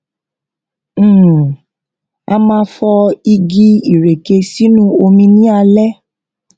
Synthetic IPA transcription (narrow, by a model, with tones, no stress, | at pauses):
a˧mãː˧˦fɔ˧i˧ɡi˦i˦˨ɾe˨ke˧si˦nũ˦o˧mĩ˧nĩ˦a˧lɛ˦